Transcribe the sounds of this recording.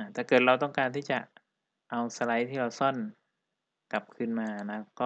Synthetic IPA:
a˧˩t̪ʰɛː˨˩kɤː˨˩t̪̚ɾa˧wt̪̬ɔ˥˩ŋkaː˧nt̪ʰiː˥˩t͡ɕa˨˩ʔ | ʔa˧wsa˧la˦˥jt̪ʰiː˥˩ɾa˧wsɔ˥˩˨n | ka˨˩p̚kʰɯ˧˨nmaː˧a˧˩na˦˥kɔː˥˧˩

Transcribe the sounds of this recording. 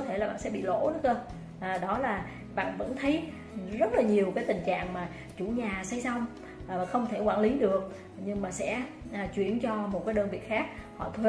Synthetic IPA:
t̪ʰe˧˩laː˨˩ɓa̰ː˧˨nsɛ̰˧˥ɓḭ˧˨lo̰˧˥nɨ˦˥kəː˧ | ʔɗɔ˨˦laː˨˩ | ɓa̰ː˧˨nvə̰˧˥nt̪ʰə˨˦j | zə˦˥t̚laː˨˩ɲi˨˩əwkaː˨˦jt̪ï˨˩ŋ̟t͡ɕa̰ː˧˨ŋmaː˨˩ | t͡ɕu˧˩ɲaː˨˩sa˧jsa˧wŋ͡m | aː˨˩xə˧wŋ͡mt̪ʰe˧˩kwaː˧˩nli˨˦ɗɨ˨˩ək̚ | ɲɨ˧ŋmaː˨˩sɛ̰˧˥ʔːt͡ɕwḭ˧˨ənt͡ɕɔ˧mo˨˩t̚kaː˨˦jɗəː˧nvḭ˧˨ətxaː˦˥k̚hɔ̰˧˨t̪ʰwi˧˨˩

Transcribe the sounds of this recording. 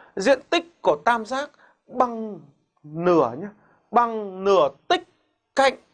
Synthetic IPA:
zḭ˧˨ənt̪ï˦˥k̚ku˧˩ət̪aː˧mzaː˦˥k̚ | ɓa˨˩ŋ | nɨ˧˩əɲaː˧˥ | ɓa˨˩ŋnɨ˧˩ət̪ï˦˥k̚ | ka̰˧˨jŋ

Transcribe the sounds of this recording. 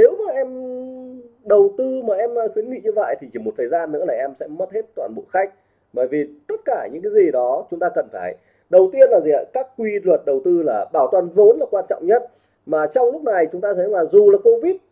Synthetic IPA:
ne˨˦wmaː˨˩ʔɛ˧m | ɗə˨˩wt̪ɨ˧maː˨˩ʔɛ˧m˧xwi˨˦ənŋḭ˧˨ɲɨ˧və̰˧˨jt̪ʰi˨˩t͡ɕi˧˩mo˨˩t̪ʰəː˨˩jzaː˧nːɨ̰˧˥laː˨˩ʔɛ˧msɛ̰˧˥mə˦˥t̚he˦˥t̚t̪wa̰ː˧˩nɓo̰˧˨xa˦˥jk̟̚ | ɓəː˧˩jvi˨˩t̪ə˦˥t̚kaː˧˩ɲɨ̰˧˥ŋkaː˨˦jzi˨˩ɗɔ˨˦t͡ɕʊ˨˦ŋ͡mt̪aː˧kə˨˩nfaː˧˩j | ɗə˨˩wt̪i˧ənlaː˨˩zi˨˩ə̰˧˩kaː˦˥kːwi˧lwə˨˩t̚ɗə˨˩wt̪ɨ˧laː˨˩ɓaː˧˩wt̪wa˨˩nvo˨˦nlaː˨˩kwaː˧nt͡ɕɔ̰˧˨wŋ͡mɲə˦˥t̚ | maː˨˩t͡ɕɔ˧wŋ͡mlʊ˦˥k͡p̚na˨˩jt͡ɕʊ˨˦ŋ͡mt̪aː˧t̪ʰɛ˨˦laː˨˩zu˨˩laː˨˩ko˧vi˦˥t̚

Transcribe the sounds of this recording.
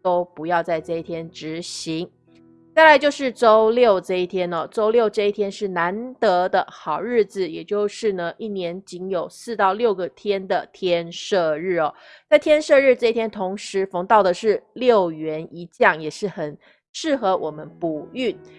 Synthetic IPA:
o˥ʊpu˧˥jɑ˥˧ʊt͡sa˥˧ɪʈ͡ʂɤ˥˧i˥t̪ʰjɛ˥nʈ͡ʂɻ̩˧˥ɕi˧˥ŋ | t͡sa˥˩ɪla˧˥t͡ɕjo˥˧ʊʂɻ̩˥˩ʈ͡ʂo˥ʊljo˥˨˩ʊʈ͡ʂɤ˥˧i˥˩t̪ʰjɛ˥nɔ˨˩ʈ͡ʂo˥ʊljo˥˧ʊʈ͡ʂɤ˥˧i˥˩t̪ʰjɛ˥nʂɻ̩˥˩na˧˦˥nt̪ɤ˧˥d̪ə˧xɑ˨˩ʊɻɻ̩˥˩d͡z̩˩jɛ˨˩t͡ɕjo˥˧ʊʂɻ̩˥˩nə˩ʔi˥˩njɛ˧˥nt͡ɕi˧˥ŋjo˨˩ʊsɹ̩˥˧t̪ɑ˥˧ʊljo˥˩ʊɡə˩t̪ʰjɛ˥nd̪ə˨t̪ʰjɛ˥nʂɤ˥˧ɻɻ̩˥˩ɔ˩ | t͡sa˥˩ɪt̪ʰjɛ˥nʂɤ˥˧ɻ̩˥˧ʈ͡ʂɤ˥˧i˥t̪ʰjɛ˥nt̪ʰʊ˧˥ŋʂɻ̩˧˥fɑ˧˥ŋt̪ɑ˥˩ʊd̪ə˩ʂɻ̩˥˩ljo˥˩ʊɥɛ˧˥ni˧˥t͡ɕjɑ˥˩ŋjɛ˨˩ʂɻ̩˥˩xə˨˩n | ʂɻ̩˥˩xɤ˧˥wʔɔ˨˩mə˦npu˨˩y˥˩n

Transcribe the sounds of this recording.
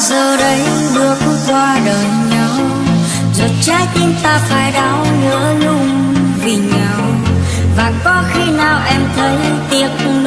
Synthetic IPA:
zəː˨˩ɗə˨˦j | ɗɨ˨˧˩ək̚kwaː˧ɗəː˨˩jɲa˨˦w | zə˨˩t̚t͡ɕaː˧˦jt̪i˧nt̪aː˧faː˧˩jɗa˨˧˦wɲə̰˧˥lʊ˧ŋ͡mvi˨˩ɲa˧˩ww | vaː˨˩nkɔ˨˦xi˧naː˨˩wʔɛ˧mt̪ʰə˨˦j | t̪i˧˨˩ət̚

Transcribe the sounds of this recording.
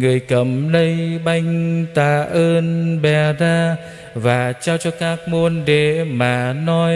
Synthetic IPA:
ŋɨ˨˩əjkə˧˨˩mlə˧jɓa˧jŋ̟t̪aː˧˩ʔəː˧nɓɛ˨˩zaː˧ | vaː˨˩t͡ɕaː˧wt͡ɕɔ˧kaː˦˥k̚mo˧ənɗe˧˩maː˨˩nɔ˧

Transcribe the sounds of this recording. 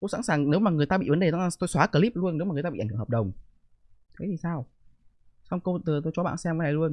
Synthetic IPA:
ko̰˧˥sa̰˧˥nsaː˨˩ŋne˨˦wmaː˨˩ŋɨ˨˩əjt̪aː˧ɓḭ˧˨və˨˦nɗe˨˩t̪ːt̪o˧jswaː˨˦˥kəː˧˩li˦˥p̚lu˧ənːe˨˦waː˨˩ɨ˨˩jt̪a˧ḭ˧˩ŋ̟˨˧˩hə˨˩p̚ɗə˨˩wŋ͡m | t̪ʰə˨˦jt̪i˨˩saː˧w | sa˧wŋ͡mkə˧t̪ɨ˨˩t̪o˧jt͡ɕɔ˨˦ɓa̰ː˧˨nsɛ˧mvə˨˦na˨˩jlu˧ən

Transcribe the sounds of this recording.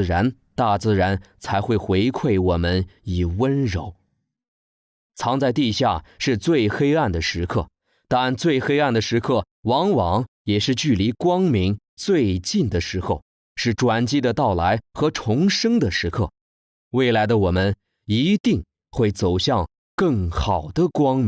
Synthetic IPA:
ɻa˧˥n | t̪a˥˩t͡sɹ̩˥˩ɻa˧˥nt͡sʰa˧˥ɪxwe˥˩ɪxwe˧˥ɪkʰwe˥˩ɪwɔ˨˩mə˦˥ni˨˩wə˥nɻo˧˥ʊ | t͡sʰɑ˧˥ŋt͡sa˥˧ɪt̪i˥˧ɕja˥˩ʂɻ̩˥˧t͡swe˥˩ɪxe˥ɪa˥˩nd̪ə˩ʂɻ̩˧˥kʰɤ˥˩ | t̪a˥˧nt͡swe˥˩ɪxe˥ɪa˥˩nd̪ə˩ʂɻ̩˧˥kʰɤ˥˩ | wɑ˧˥ŋwɑ˧˥ŋ | jɛ˨˩ʂɻ̩˥˧t͡ɕy˥˩li˧˥kwɑ˥ŋmi˧˥ŋ | t͡swe˥˧ɪt͡ɕi˥˩nd̪ə˩ʂɻ̩˧˥xʰo˧ʊ | ʂɻ̩˥˩ʈ͡ʂwa˨˩nt͡ɕi˥d̪ə˨˧t̪ɑ˥˩ʊla˧˥ɪxɤ˧˥ʈ͡ʂʰʊ˧˥ŋʂɤ˥ŋd̪ə˨ʂɻ̩˧˥kʰɤ˥˩ | we˥˩ɪla˧˥ɪd̪ə˧wɔ˨˩mə˦n | i˧˥t̪i˥˧ŋ | xwe˥˩ɪt͡so˨˩ʊɕjɑ˥˧ŋ | kɤ˥˩ŋxɑ˨˩ʊd̪ə˦kwɑ˥ŋm˥

